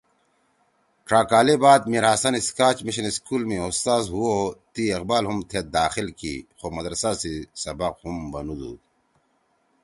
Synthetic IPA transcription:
ʈɾaːkaːlebaːd̪̚miɾaːsɐniskaːt͡ɕmiɕiniskuːlmẽost̪aːzɦuot̪ieqbaːlɦumt̪ʰet̪̚d̪aːxilkḭxomɐd̪ɾɐsasisɐbɐqhumbɐnud̪ṵː

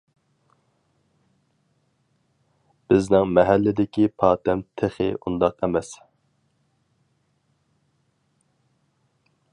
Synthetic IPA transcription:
b̥ɪznɪŋmɛɦælːɪd̪ɪkʲipʰɑːt̪ʰɛmt̪ʰeχɪ̰ʔund̪ɑqɛmɛs

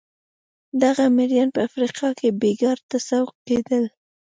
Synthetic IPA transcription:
d̪aɣameɾjɑnpəafɾiqɑkebeɡɑɾt̪asawked̪əl

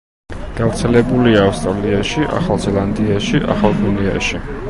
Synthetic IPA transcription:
ɡ̥avɾt̪sʰɛlɛbuliaːfst̪ʼɾaliaʃiʔa̰χalˠzɛlˠand̪iaʃiʔa̰χalˠɡunia̰ʃi

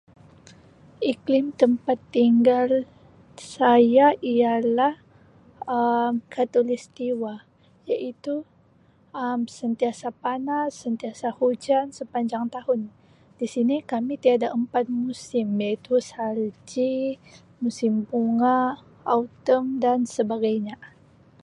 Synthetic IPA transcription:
ʔiklɪmt̪əmpat̪ːiŋɡal | sajaialah | əmkʰat̪olist̪iwa | jaʔit̪u | əmsənt̪iasapanasːənt̪iasahud͡ʒansəpaɲd͡ʒaŋt̪ahʊn | disinikamit̪iadaʔəmpat̪̚musɪmjait̪usald͡ʒi | musɪmpuŋa | aut̪əmdansəbaɡajɲa

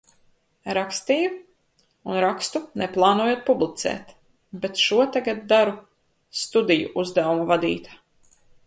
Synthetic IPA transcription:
ɾakst̪iːju | unɾakst̪unɛplˠɑːnuɔjuɔt̪̚publˠit̪sɛ̰ːt̪ | bet̪ʃuɔt̪aɡat̪̚d̪aɾu | st̪ud̪ijṵʔuzd̪awumavad̪ḭːt̪ḁ

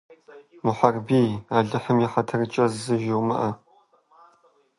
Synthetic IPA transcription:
mʊħɐrbiːaːɮɨħəmjɪħɐtʰɐrɨt͡ʃʼɐzzɨʒɪwmɐ̰ʔɐ

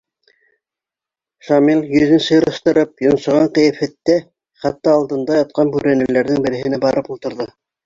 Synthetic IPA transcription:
ʃɑmilʲˠjɵ̆ðɘnsɤ̆jɾɤ̆ʃt̪ɤ̆ɾɤpjŏnsɤ̆ʁɑɴqɤ̆jæfæt̪ːæ | χæt̪ːɑːlˠd̪ɤ̆nd̪ɑjɑt̪̚qɑnbʉɾænæ̆læɾðɘŋbɘ̆ɾɘ̆hɘ̆næbɑɾɤpulˠt̪ɤ̆ɾðɤ

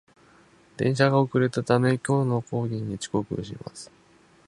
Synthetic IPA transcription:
d̪ẽ̞̰ɰ̃ɕaɡaokɯ̟ɾe̞t̪at̪amekʲo̞ːno̞ko̞ːɡʲĩɲ̟ːit͡ɕi̥ko̞kɯ̟̰ɕḭma̰sɨ̥

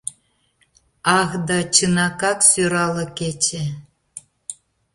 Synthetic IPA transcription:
ɑɣd̪ɑt͡ɕɯnɑkɑksyɾɑlɤ̆ket͡ɕĕ

